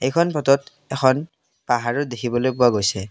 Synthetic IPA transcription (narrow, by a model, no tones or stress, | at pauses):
ejkʰɔnpʰɔtɔt | ɛxʰɔn | paɦaɹɔdekʰibɔlojpuaɡojsɛ